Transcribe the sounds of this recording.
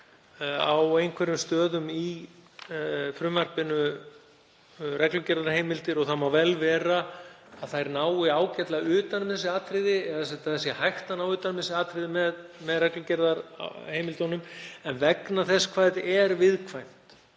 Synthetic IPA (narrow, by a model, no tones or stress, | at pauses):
awejnkʰvɛɾʏmst̪œːðʏmi | fɾʏmar̥pɪnʏ | rɛklʏcɛɾðaɾ̥heːjmɪlt̪ɪɾɔɣθamawvɛlvɛːraː | ðθajɾnaːwɪaːwcɛt̪laʏːt̪anʏmθɛsɪaːt̪ɾɪðɪɛðasɛt̪aθɛsjɛhajht̪anawʏːt̪anʏmθɛsɪaːt̪ɾɪðɪmɛðmɛðrɛklʏcɛɾðaɾ̰heːjmɪlt̪onʏmɛnvɛknaθɛskʰvaːjðɛɾvɪðkʰvajm̥t̪